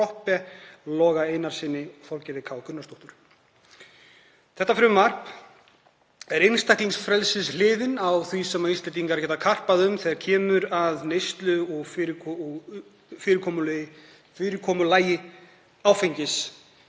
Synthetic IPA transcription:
ɔhpɛlɔːɣaejnaɾ̥sɪnːɪɔfawlcɛɾðɪkʰaːwkʰʏnːast̪owht̪ʏɾ̥ | θɛht̪ːafɾʏmːar̥p | ɛɾejnst̪ajhk̪liŋsfɾɛlsɪslɪːðɪnawθvisɛmːaist̪lɛnt̪̬iŋkaɾcʰɛːt̪akʰar̥paðʏmθɛːðaɾcʰɛːmʏɾaðnejst̪lʏɔɣfɾʰ | fɪːɾɪɾkʰɔːmʏlɪ | fɪːɾɪɾkʰɔːmʏlaːjɪ | aːwfejɲcɪs

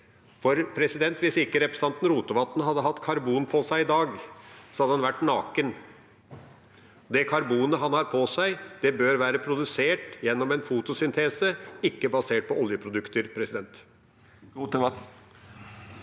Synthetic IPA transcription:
fɔɾpʰɾɛsɪd̪ɛnt̪ʋɪsɪkːəɾɛpɾəsɑnt̪n̩ɾuːt̪əʋɑt̪nəɦɑd̪ːəɦɑt̪ːkʰɑɾbuːnpʰɔsæɪɪd̪ɑːɡsɔhɑd̪əhɑnʋæʈːnɑːkən | d̪ɛkʰɑɾbuːnəɦɑnhɑːɾpʰɔsæɪd̪̥ɛbøːɾʋæːɾəpʰɾʊd̪ʉseːʈjɛnːɔmɛnfut̪ʊsʏnt̪ʰeːsəɪkːəbɑseːʈ̚pʰɔʔɔljəpʰɾʊd̪ʉkt̪əɾpʰɾɛsɪd̪ɛnt̪ː | t̪ə

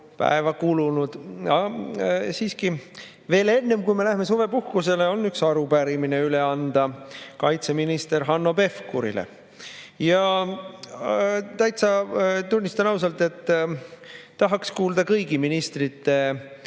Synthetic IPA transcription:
pæ̰evɑkulunud̪̥ɑ | siːski | ve̞ːle̞nːe̞mkujme̞læhme̞sove̞puhkuse̞le̞o̞nːyksɑɾupæɾimine̞yleɑnd̪̥ɑkɑjt̪se̞minist̪e̞ɾɦɑnːo̞pe̞fkṵɾḭlḛ | jɑ | t̪æjt̪sɑt̪unʲːist̪ɑnɑwsɑlt̪e̞t̪ː | ɑɦɑkskuːld̪̥ɑkɤjɡiminist̪rit̪ːe̞

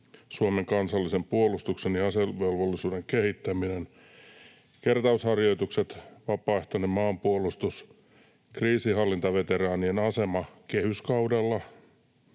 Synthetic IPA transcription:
suomeŋkɑnsɑlːisempuolust̪uksenjiɑseʋelʋolːisuːdeŋkehit̪ːæminen | kert̪ɑushɑrjo̞it̪ukset̪ʋɑpɑːeht̪onemmɑːmpuolust̪us | kriːsihɑlːint̪ɑʋet̪erɑːnienɑsemɑkehyskɑudelːɑ

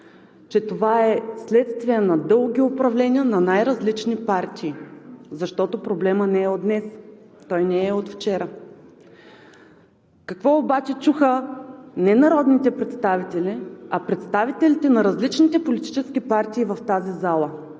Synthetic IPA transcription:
t͡ʃɛt̪ovaɛslɛt̪st̪viɛnɐd̪ɤlˠɡʲiopɾɐvlɛnʲiənɐnajɾɐzlit͡ʃnipaɾt̪ʰiːzɐʃt̪ɔt̪opɾoblɛmənɛɛod̪nɛs | t̪ɔjnɛːɛot̪ft͡ʃɛɾə | kɐkvɔobat͡ʃɛt͡ʃuxənɛnɐɾɔd̪nit̪ɛpɾɛt̪st̪avit̪ɛliɐpɾɛt̪st̪avit̪ɛlit̪ɛnɐɾɐzlit͡ʃnit̪ɛpolit̪i̥t͡ʃɛskʲipaɾt̪iːvɐft̪azizalˠə

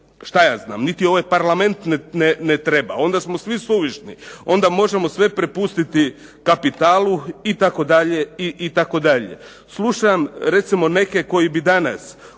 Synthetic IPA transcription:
ʃt̪ajaːzna̰ːmnit̪io̞ʋajpaɾlˠame̞nt̪nenenet̪ɾebao̞nd̪asmosʋisuʋiʃnio̞nd̪amo̞ʒe̞mo̞sʋe̞pɾepust̪it̪i | kapit̪aːlˠuit̪ako̞d̪aʎe̞iʔit̪ako̞d̪aʎḛ | slˠuʃamɾe̞t̪simo̞ne̞ke̞ko̞jibid̪ana̰s

